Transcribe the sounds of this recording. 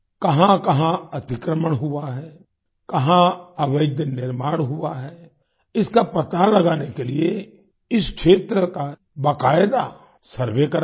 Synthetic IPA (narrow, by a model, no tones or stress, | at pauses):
kɐɦãkɐɦãɐt̪ɪkɾəməɽɦʊaɦɛː | kɐɦãɐʋəd̪ʱjnɪɾmaːɽ̃ɦʊaɦɛː | ɪskapɐt̪alɐɡaːnekelie | ɪskʃʰeːt̪ɾəka | bəkaːjd̪a | səɾʋekəɾ